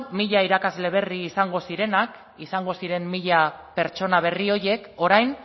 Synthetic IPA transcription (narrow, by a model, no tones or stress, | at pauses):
miʎaiɾakazle̞β̞e̞riːsaŋɡo̞siɾe̞nak | isaŋɡo̞siɾe̞mːiʎape̞ɾt͡ʃo̞naβ̞e̞rio̞ɾje̞ko̞ɾajn